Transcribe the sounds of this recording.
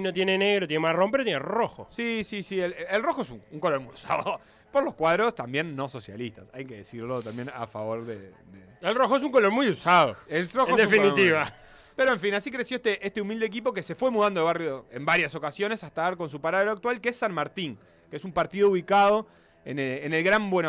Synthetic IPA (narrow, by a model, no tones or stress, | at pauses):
not̪̬jeneneɣɾot̪jenemaromp̬eɾot̪jeneroxo̰sisisielelro̞xoesuŋuŋko̞loɾmujusa̰ðo | poɾloskwaðɾost̪ambje̞nːo̞so̞sja̰list̪a̰sajkeðesiɾlo̞t̪ambjena̰faβo̞ɾðḛ | d̪e | elroxoes̬uŋkoloɾmujusaðoelroxened̪esfinit̪iβa | peɾoeɱfinasikɾesjoest̪eʔest̪eumild̪eːk̬ipo̞kese̞fwe̞muðand̪oβarjoembaɾjaso̞kasjo̞nesaht̪aaɾko̞ns̬upaɾaðeɾoak̚t̪walkeesːanmaɾt̪iŋ | keesumpaɾt̪iðouβikaðo̞ | ḛneːnelɣɾambweno